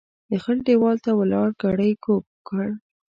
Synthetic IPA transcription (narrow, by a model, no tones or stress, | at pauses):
d̪əxəlɖewɑlt̪awalɑɽɡaɽəjkopkəɽ